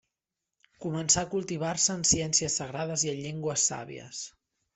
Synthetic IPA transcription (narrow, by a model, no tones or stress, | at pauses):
kumənsakulˠt̪iβ̞arsəːnsiɛnsiəsːəɣ̞ɾað̞əziənʎeŋɡwəsːa̰βḭə̰s